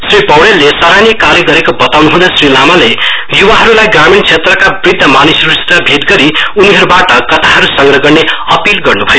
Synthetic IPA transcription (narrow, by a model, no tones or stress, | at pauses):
sripʌwɽelːesaɾanikarjʌɡʌɾekobʌt̪awnuɦud̪asrilamalejuwaɦʌɾulajɡramint͡sʰet̪rʌkabrid̪ʱːʌmanisʌɾusʰe̥t̪ʌbʱit̪ɡʌɾiuniɦʌɾubaʈʌkʌt̪ʰaɦʌɾusʌŋɡɾrʌɡʌrneʌpilɡʌrnubʱʌjo